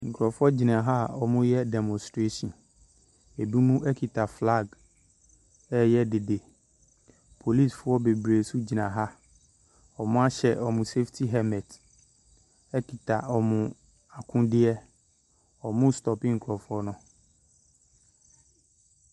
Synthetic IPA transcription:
ŋ̩˨kʰɾɔ˨fɔ˦d͡ʑi˨nã˨ɦa˦˨ɔ˨mʊ̃˦jɛ˦dɛ˨mɔ̃˨stɾe˦sɔ̃˨n | e˨bũ˦mũ˦ʔɛ˦kʰi˨tʰa˨fla˦˨ɡ | ɛ˦jɛ˦de˨de˨ | pʰo˨li˦˨sfʊ˦ɔ˦be˨bɾe˨su˦d͡ʑi˨nã˨ɦa˦ | ɔ˨mʊ̃˦a˦ɕɛ˨ʔɔ˨mʊ̃˨se˦ftʰi˦ɦɛ˦mɛ̃˨t | ɛ˦kʰi˨tʰa̰˨ɔ˨mʊ̃˨ | a˨kʰʊ̃˦dɪ˦ɛ˦ | ɔ˨mʊ̃˦stɔ˨pɪ˦ŋ̩˨kʰɾɔ˨fʊ˦ɔ˦nʊ̃˦˨

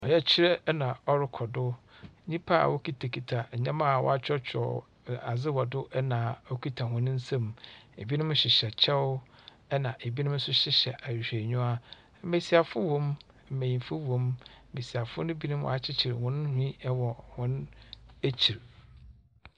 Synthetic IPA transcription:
ɔ˨jɛ˦t͡ɕʰɪ˦ɾɛ˦nã˨ɔ˦ɾɪ˦kʰɔ˨dʊ˦ɲĩ˦pʰa˦a̰˨wɔ˦kʰi˦tʰa˨kʰi˨tʰa˨ɲã˦mã˦˨wɔ̰˦a˦t͡ɕᶣɔ˦t͡ɕʰᶣɔ̰˨ | a˨zɪ˦wɔ˨dʊ˦ʔɛ˦nã˨ɔ˦kʰi˦tʰa˨hʊ̃˨ñ˦n̩˦sã˦mḛ˨bi˦nʊ̃˦mʊ̃˦ɕɪ˨ɕɛ˨t͡ɕʰɛ˦wʊ˦ | ɛ˦nã˨ʔe˨bi˦nʊ̃˦mn̩˦sʊ˦ɕɪ˦ɕɛ˨ʔa˨ɕᶣe˨ɲũ˦a˦ | m˦me˨si˨a˨fʊ˦wɔ̃˦m | m̩˨mẽ˨jĩ˨m˨fʊ˦wõ˨m̩˨ | me˨si˨a˨fʊ˦nʊ̃˦bi˦nʊ̃˦m˦w̰a˨t͡ɕʰɪ˦t͡ɕʰɪ˨ɾhʊ̃˦n˦hʊ˦ĩ˦ɛ˦wɔ˨hʊ̃˦næ˦t͡ɕʰi˨ɾ

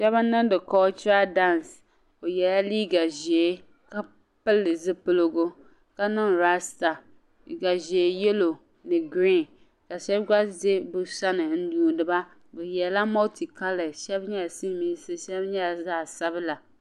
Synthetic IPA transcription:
ʃɛ˦ba˦nɨ˦n˦dɨ˨kɔː˦t͡ʃɾa˦da˦˨ns | o˨jɛ˨la˦liː˦ɡa˨ʒi˨e˦ | ka˦ | pɨ˦lːɨ˨zɨ˦pɨ˦lɨ˦ɡo˦ | ka˦nɨ˦nɾa˦sta˨ | ɡa˨ʒi˨e˨jɛ˦lo˨ | nɨ˨ɡɾi˦˨n | ka˨ʃɛ˦bɡa˦ze˦bɨ˨sa˦nɨ˨n̩˦duː˨dɨ˨ba˦ | bɛ˨jɛ˨la˦mɔ˦ti˨ka˦lɛ˨ʃɛ˦bɲɛ˦˨si˦mi˦sɨ˦ʃɛ˦bɲɛ˦˨zaː˦˨sa˦bɨ˦la˨

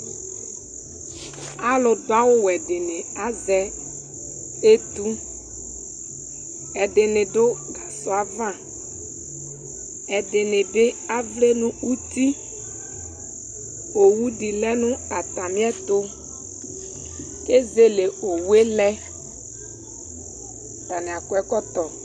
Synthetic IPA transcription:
a˦lʊ˨dʊ˦a˦wo˦wɛ˨ɖɪ˨nẽ˨a˦zɛ˦ | e˦t̪u˦ | ɛ˨ɖe˨nẽ˨ɖo˦ɡa˨sɔ˦a˨vã˦˨ | ɛ˨de˨ne˨ɖɪ˦a˦vle˦nũ˦u˦t̪i˦ | o˨wu˦ɖi˨lɛ˦nũ˦a˨t̪a˨mĩ˦ɛ˦t̪o˦ | ke˦ze˦le˨o˨wu˦e˦lɛ˦ | t̪a˨ne˨a˨kɔ˦ɛ˦kɔ˦t̪ɔ˨

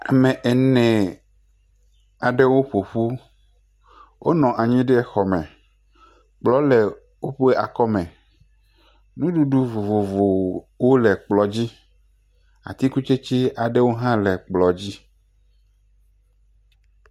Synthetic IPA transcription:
a̰˨mɛ̃˨ʔɛ˨nɛ̃˨ | a˨ɖe˦wo˦ɸo˨ɸu˦ | wʔo˦nɔ̃˨ʔa˨ɲĩ˦ɖɛ˦ɛ˨xɔ˨mɛ̃˨ | k͡plɔ˦lɛ˨ | wo˦ɸu˦e˦ʔa̰˨kɔ˦mɛ̃˨ | nũ˦ɖu˦ɖu˦vo˨vo˨vo˨ | wo˦lɛ˨k͡plɔ˨d͡ʑi˦ | a̰˨t̪i˦ku˦t͡ʃe˦t͡ɕi˦a˨ɖe˦wo˦ɦã˦lɛ˨k͡plɔ˨d͡ʑi˦

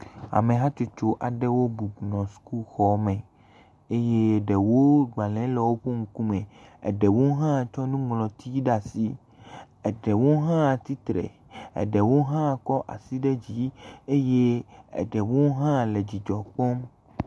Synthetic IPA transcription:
a̰˨mẽ˨ɦã˦t͡ʃo˨t͡ʃo˦ʔa˨ɖɛ˦wo˦bu˨nɔ̃˨su̥˦ku˦xɔ˦mɛ̃˨ | e˦je˦˨ɖɛ˨wo˦ɡ͡ba˨lɛ̃˨˦lɛ˨wo˦ɸo˦ŋ̩˦kũ˦mẽ˨ɛ̰˨ɖɛ˨wo˦ɦã˦˨t͡ʃɔ˦nũ˦ŋlɔ̃˨t̪ʰi˦ɖa˨si˦ | ɛ˨ɖɛ˨wo˦ɦã˦˨t̪i˦t̪ɾɛ̰˨ | ɛ̰˨ɖɛ˨wo˦ɦã˦˨kɔ˦ʔa̰˨si˦ɖɛ˦d͡ʑi˦e˦je˦ɛ̰˨ɖɛ˨wo˦ɦã˦le˨d͡ʑi˨d͡ʒɔ˨k͡pɔ˦m

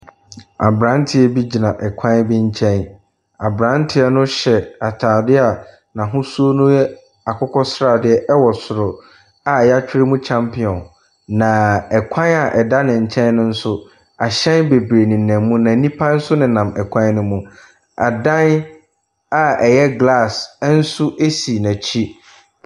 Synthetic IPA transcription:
a̰˨bɾã˨˦n˦tʰɪ˨˦ɛ˦bi˦d͡ʑi˨nã˨ʔɛ˨kʷʰã˦nbɪ˦ɲ̩˦t͡ɕʰɛ̃˦n | a˨bɾã˨˦n˦tʰɪ˦ɛ˦nʊ̃˦ɕɛ˨a˨tʰaː˨dɪ˦a˨ | nã˨ɦʊ̃˦su˦o˦nũ˦jɛ˦ | a˨kʰɔ˦kʰɔ˦sɾa˨dɪ˦ɛ˦ʔɛ˦wɔ˨sʊ˨ɾʊ˨ | a˨jɛ˦a˦t͡ɕᶣɪ˦ɾɪ˦mũ˦t͡ɕʰã˦mpʰɪ˨ɔ̃˨n | nã˨ɛ˨kʷʰã˦na˨ʔɛ˨da˦nɪ̃˨ɲ̩˨t͡ɕʰɛ̃˦n˦nʊ̃˦n̩˦sʊ˦ | a˨ɕɛ̃˦nbe˨bɾe˨nĩ˨nɛ̃˨mːũ˦nã˨˦nĩ˦pʰã˦n̩˦sʊ˦nɪ̃˨nã˨mɛ˨kʷʰã˦n˦nʊ̃˦mũ˦ | a̰˨dã˦n | a˨ɛ˨jɛ˦ɡla˦˨sn̩˦sʊ˦ʔe˦si˨næ̃˨t͡ɕʰi˦

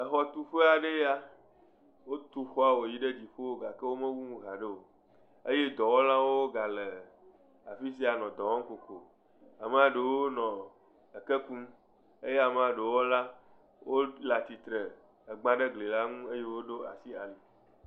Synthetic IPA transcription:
ə˨xɔ˦t̪u˦ɸe˦a˨ɖe˦ja˦ | wo˦t̪u˦xɔ˦a˦wo˨ji˦ɖe˦d͡ʑi˨ɸo˦o˦ɡa˨ke˦wo˦mẽ˦wu˦ŋũ˦ɣa˨ɖe˦o˨ | e˦je˦d̪ɔ˨wɔ˦lã˦wo˦ɡa˨le˨ | a̰˨fi˦s̬i˦a˨nɔ̃˨d̪ɔ˨wɔ̃˦ŋ˦ko˨ko˨ | a˨m˦a˦ɖe˨wo˦nɔ̃˨ | ə˨ke˦ku˦m | e˦je˦a˨m˦a˨ɖe˨wɔ˦la˦ | wo˦la˨t̪i˨t̪ɾe˨ | e˨ɡ͡bã˦ɖe˦ɡle˨la˦ŋũ˦e˦je˦wo˦ɖo˦a̰˨si˦a˨li˨

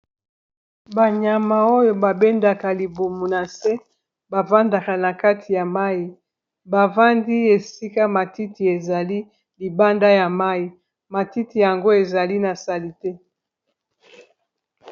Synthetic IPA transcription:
ba˨ɲa˨ma˨o˦jo˨ba˨be˦nda˨ka˨li˨bo˨mo˨na˨se˦ | ba˨va˦nda˨ka˨na˨ka˦tʰi˨ja˨ma˦ji˨ | ba˨va˦ndi˦e˨si˦ka˦ma˨ti˦ti˨e˨za˨li˦ | li˨ba˦nda˦ja˨ma˦ji˨ | ma˨ti˦ti˨ja˨ŋɡo˦e˨za˨li˦na˨sa˨li˨te˦

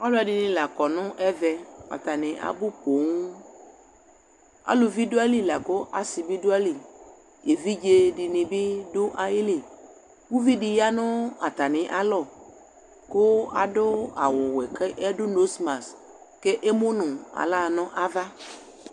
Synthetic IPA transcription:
a˦lʊ˦a˨ɖi˨nɪ̃˨la˨kɔ˨nʊ̃˦ʔɛ˦vɛ˨a̰˨t̪a˨nɪ̃˨ʔa̰˨bʊ˦po˨ŋu˦ | a̰˦lʊ˨vi˦do˦a˦li˦la˨ko˦ʔa˨si˨bi˦dʊ˦a˦li˨ | e˨vi˦d͡ʒe˦ɖi˨nĩ˨bi˦dʊ˦ʔa˨ji˦li˨ | wu˦vi˦ɖi˨ja˦nʊ̃˦a˨t̪a˨nɪ̃˨ʔa˨lɔ˦˨ | ko˦a̰˨ɖʊ˦a̰˨wʊ˨wɛ˨ke˦ʔɛ˦dʊ˦no˦sma˨s | ke˦ʔe˦mo˦nʊ̃˨a̰˨la˦˨nʊ̃˦ʔa˦va˦

